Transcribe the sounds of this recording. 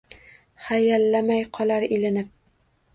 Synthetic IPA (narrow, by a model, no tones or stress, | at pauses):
χajælːamæjqʰɒlˠaɾilɪnɪp̚